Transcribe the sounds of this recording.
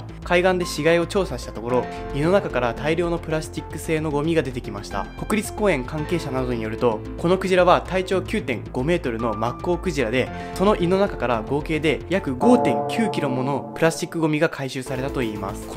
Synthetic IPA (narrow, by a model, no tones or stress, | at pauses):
kʰaiɡãnd̪e̞ɕiɡaio̞t͡ɕo̞ːsaɕi̥t̪at̪o̞ko̞ɾo̞ | ino̞nakakaɾat̪aiɾʲo̞ːno̞pɯ̟ɾaɕt̪ʲikːɯ̟se̞ːno̞ɡo̞mʲiɡad̪e̞t̪e̞kʲimaɕi̥t̪a̰ko̞kɯ̟ɾʲit͡sɨ̥ko̞ːẽ̞ŋkãŋke̞ːɕanad̪o̞ɲ̟ijo̞ɾɯ̟t̪o̞ | ko̞no̞kɯ̟ʑiɾaβat̪ait͡ɕo̞ːkʲɨːt̪ẽ̞ŋɡ̥o̞me̞ːt̪o̞ɾɯ̟no̞makːo̞ːkɯ̟ʑiɾad̪e̞ | so̞no̞ʔino̞nakakaɾaɡo̞ːke̞ːd̪e̞jakɯ̟ɡo̞ːt̪ẽ̞ŋkʲʰɨːkʲiɾo̞mo̞nopɯ̟ɾaɕt͡ɕikːɯ̟ɡomʲiɡakʰaiɕɨːsaɾe̞t̪at̪o̞iːma̰sɨ̥